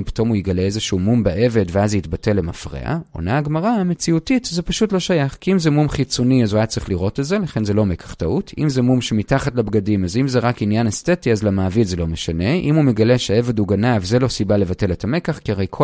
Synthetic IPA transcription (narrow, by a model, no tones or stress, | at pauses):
pi̥to̞mujeɡaleezeʃuumumbeʔeve̞dveazeitbate̞lːemafʁḛa̰ʔo̞̰naːɡmaʁame̞t͡siutitzepaʃutlo̞ʃajaχkiimzemumχit͡soniazuajat͡sʁiχliʁo̞tetzelaχe̞nze̞lo̞me̞kʰḁχtautʰimzemumʃemitaχatlabɡadimazimzeʁakinjanestetiazlamaːvitze̞lo̞meʃane̞ʔimumeɡaleʃeeve̞duɡanavzelo̞sibalevate̞letʰame̞kaχkiaʁejkʰo